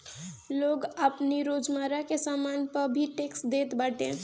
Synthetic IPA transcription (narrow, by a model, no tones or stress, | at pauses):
loːɡəpniɾod͡ʒmaɾakesamaːnpəɾbʱiʈeksd̪eːt̪baʈẽ